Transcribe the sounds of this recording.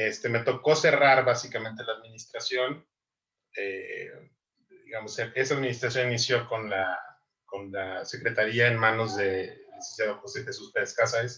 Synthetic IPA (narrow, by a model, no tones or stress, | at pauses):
est̪e̞me̞t̪o̞ko̞se̞raɾβasikamẽnt̪̬e̞laːðmĩnist̪ɾasjo̞n | e | d̪iɣamo̞seesaðminist̪ɾasjo̞ninisjo̞ko̞nla | ko̞nlase̞kɾe̞t̪aɾiae̞nmãno̞zðe̞isensjaðokoseðesuspeɾeskasaɾes